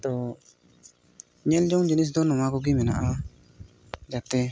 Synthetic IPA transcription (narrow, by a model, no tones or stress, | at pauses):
t̪ɔ | ɲɛld͡ʒɔŋd͡ʒinis̬d̪ɔnɔmakɔɡimɛna̰ʔa | d͡ʒat̪ɛ